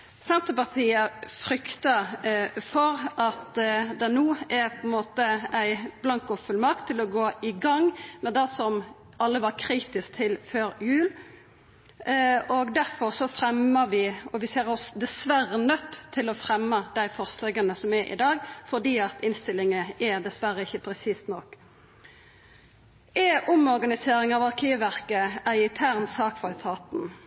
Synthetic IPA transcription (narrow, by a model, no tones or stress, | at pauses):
sɛnt̪əpɑʁt̪ʰiːəfɾʏkt̪ə | fɔɾʔɑt̪d̪ɛnuːɛpʰɔɛnmoːt̪əæɪblɑŋkɔfʉlmɑʁk̚t̪ʰːɪlɔɡoːɪɡɑŋmɛd̪ɛsɔm | ʔɑlːəʋɑɾkʰɾiːt̪ɪsk̚t̪ʰɪlføːɾjʉːl | ɔɡd̪æɾfɔʁsɔfɾɛmːəʋɪʔɔʋɪseːɾɔsd̪ɛsʋæɾənœt̪ʰːɪlɔfɾɛmːəd̪æɪfɔʁslɛɡɑnəsɔmɛɾʔɪ̰d̪ɑːɡfɔd̪iːɑt̪ʰɪnst̪ɪlːɪŋəʔæd̪ɛsʋæɾːəɪçːəpʰɾɛsiːst̪nɔk | ɛʔʊmɔɾɡɑnɪseːɾɪŋɑʋɑɾkʰiːʋʋæʁkəæɪɪt̪ʰæʁnsɑːkfɑt̪ʰɑːt̪n̩